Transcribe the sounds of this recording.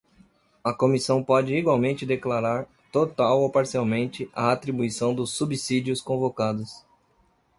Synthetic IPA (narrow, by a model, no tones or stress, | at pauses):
ɐkomisɐ̃w̃pɔd͡ʒɪiɡwawmẽnt͡ʃɪd̪eklaɾaɾ | t̪ot̪awopaɾsiawmẽnt͡ʃɪʔɐːt̪ɾibuisɐ̃w̃d̪ʊsːubisid͡ʒʊskõvokad̪ʊs